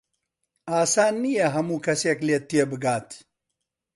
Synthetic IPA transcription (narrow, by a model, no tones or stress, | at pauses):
aːsaːnːijɐɦɐmuːkɐseːkleːt̪ːijebɨɡaːt̪ʰ